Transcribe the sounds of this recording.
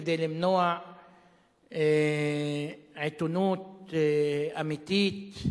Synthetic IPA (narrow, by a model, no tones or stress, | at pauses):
d̪elimnoa | e | ʕet̪unuːt̪ | amit̪iːt̪